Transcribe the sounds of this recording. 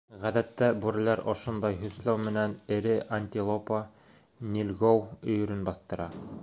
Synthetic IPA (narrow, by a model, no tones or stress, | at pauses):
ʁæðæt̪ːæbuɾɘ̆læɾʔo̰ʃŏnd̪ɑjɦɵ̆θlæwmɘ̆nænɘ̆ɾɘʔanʲt̪ʲilˠopa | nʲilʲɡowɵ̆jɵ̆ɾɵnbɑθt̪ɤ̆ɾɑ